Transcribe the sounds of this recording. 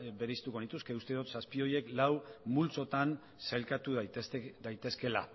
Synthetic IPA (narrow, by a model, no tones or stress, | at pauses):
be̞ɾeist̪uko̞nit̪uske̞ust̪e̞ðot̪saspio̞je̞klawmult͡so̞t̪an | selkat̪uðd̪ajt̪e̞ske̞la̰